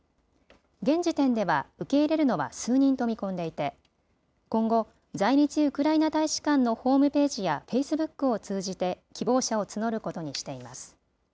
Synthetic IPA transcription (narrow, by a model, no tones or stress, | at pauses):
ɡẽ̞ɲ̟d͡ʑit̪ẽ̞nd̪e̞βaɯ̟ke̞iɾe̞ɾɯ̟no̞βa̰sɨːɲ̟ĩnt̪o̞mʲikõ̞nd̪e̞it̪e̞ | kõ̞ŋɡo̞ | zaiɲʲit͡ɕiɯ̟kɯ̟ɾainat̪aiɕi̥kãnːo̞ho̞ːmɯ̟pe̞ːʑijaɸe̞isɨbɯ̟kːɯ̟o̞t͡sɨːʑit̪e̞kʲibo̞ːɕao̞t͡sɨno̞ɾɯ̟ko̞t̪o̞ɲ̟iɕi̥t̪e̞imasɨ̥